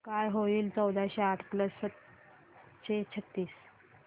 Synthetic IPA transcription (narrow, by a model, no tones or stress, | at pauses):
kajɦoiːlt͡səwd̪ʱaɕeaʈʰkləsət̪ | ɕet͡ɕʰət̪ːiːs